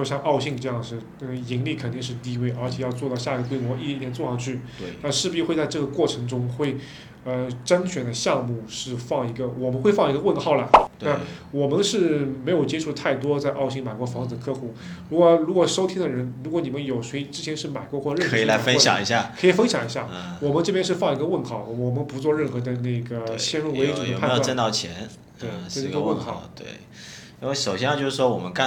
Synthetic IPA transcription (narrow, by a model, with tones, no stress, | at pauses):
ɕjɑ˥˧ŋɑ˥˧ʊɕi˥˧ŋʈ͡ʂɤ˥˧jɑ˥˩ŋʂɻ̩˥˩˥i˧˥ŋli˥˩kʰə˨˩nt̪i˥˧ŋʂɻ̩˥˧t̪i˥˧we˥˩ɪə˞˧˥t͡ɕʰjɛ˨˩jɑ˥˧ʊt͡swɔ˥˧t̪ɑ˥˧ʊɕja˥˩i˩ɡə˩kwe˥ɪmwɔ˧˥i˥˩˧ɛ˥˧˥ɛ˧˥t͡swɔ˥˧ʂɑ˥˩ŋt͡ɕʰy˥˩˧na˥˧ʂɻ̩˥˩pu˧˥i˥˧xwt͡sa˥˧ɪʈ͡ʂɤ˥˩ɡə˩kwɔ˥˩ʈ͡ʂʰɤ˧˥ŋʈ͡ʂʊ˥ŋxwe˥˩ɪ | ə˧ʈ͡ʂə˥nt͡ɕʰɥɛ˨˩nd̪ə˦ɕjɑ˥˧ŋmu˥˩ʂɻ̩˥˧fɑ˥˩ŋi˧˥ɡə˧wɔ˨˩mə˧˦nxwe˥˧fɑ˥˩ŋi˧˥ɡə˧wə˥˧nxɑ˥˩ʊlə˩t̪a˥˩wɔ˨˩mə˧˦nʂɻ̩˥˩me˧˥ɪjo˨˩ʊt͡ɕjɛ˥ʈ͡ʂʰu˥˧t̪ʰa˥˩ɪt̪wɔ˥t͡sa˥˧ɪʔɑ˥˧ʊɕi˥˩ŋma˨˩kwɔ˧˥fɑ˧˥ŋt͡sɹ̩˨˩d̪ə˧kʰɤ˥˧xu˥˩ | ɻu˧˥kwɔ˧˩ɻu˧˥kwɔ˨˩ʂo˥ʊt̪ʰi˥d̪ə˨ɻə˧˥nɻu˧˥kwɔ˧˥ni˨˩mə˦njo˨˩ʊʂwe˧˥ɪʈ͡ʂɻ̩˥t͡ɕʰjɛ˧˥nʂɻ̩˥˩ma˨˩ɪkwɔ˥˧xwɔ˥˩ɻə˨˥˩ɤ˧˥i˨la˧˦˥fə˥n˧ɕjɑ̰˨˩ŋi˧˥ɕ̬ja˥˩kʰɤ˧˥i˨˩fə˥nɕjɑ˨˩ŋi˧˥ɕja˥˩˧wɔ˨˩mə˦nʈ͡ʂɤ˥˩pjɛ˥nʂɻ̩˥˧fɑ˥˧ŋi˧˥ɡə˧wə˥˩nxɑ˥˩ʊwɔ˨˩mə˧˦npu˧˥t͡swɔ˥˧ɻə˥˩nxɤ˧˥d̪ə˧na˥˩ɪɡə˩˥ɕjɛ˥nɻu˥˩we˧˥ɪ˨˩˨ə˨pʰjo˨˩˥nt̪ɑ˥˩ʊt͡ɕʰjɛ̰˧˥n | t̪we˥˩ɪ˩˥˩o˥wə˥˩nxɑ̰˥˩ʊt̪wḛ˥˩ɪ | i˥nwe˥˩ɪʂo˨˩ʊɕjɛ˥n˥˧t͡ɕjo˥˧ʂɻ̩˥˩ʂwɔ˥wɔ˨˩mə˦nka˥˧